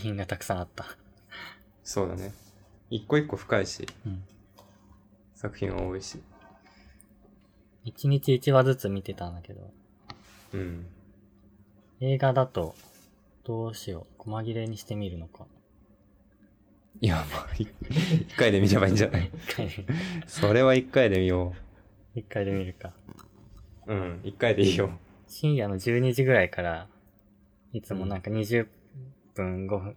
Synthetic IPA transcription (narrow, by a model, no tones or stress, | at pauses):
kɯçʲĩŋɡat̪akɯ̥sãat̪ːa | so̞ːd̪a̰ne̞ikːoikːo̞ɸɯ̥kaiɕḭɯ̟̃ɴ | sakɯ̟çʲḭ̃ɰ̃βa̰oiɕi | it͡ɕiɲ̟it͡ɕiːt͡ɕiβad͡zɨt͡sɨmʲit̪e̞t̪ãnd̪ake̞d̪o̞̰ | ɯ̟̃ɴ | e̞ːɡad̪at̪o̞ | d̪̥o̞ːɕio̞̰ko̞maɡʲiɾe̞ɲ̟iɕi̥t̪e̞mʲiɾɯ̟no̞ka | iamaːiikːaid̪e̞mʲiɾebaĩːɲd͡ʑanaikʰːaieso̞ɾe̞βaikːaid̪e̞mʲijo | ikːaid̪e̞mʲiɾɯ̟ka | ɯ̟̃ikːaid̪eiːjo | ɕĩɰ̃jano̞d͡ʑɨːɲ̟iʑiɡɯ̟ɾaikaɾa | it͡sɨmo̞nãŋkaɲ̟iʑɨ | ppːɯ̟̃ŋɡo̞ɸɯ̟̃